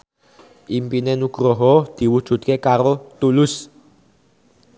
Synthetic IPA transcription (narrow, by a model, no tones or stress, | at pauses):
impinɛnuɡ̥ɾɔɦɔd̪̥i̤wud̥ʒ̥ṳt̪̚kekaɾot̪ulus